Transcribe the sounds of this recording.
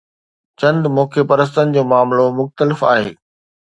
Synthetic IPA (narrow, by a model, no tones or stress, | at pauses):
t͡ɕɐ̃nd̪mõːkʰepɐɾəs̬t̪ənɪ̆d͡ʑoːmaːmlomʊxt̪əlɪfa̰ːɦḛː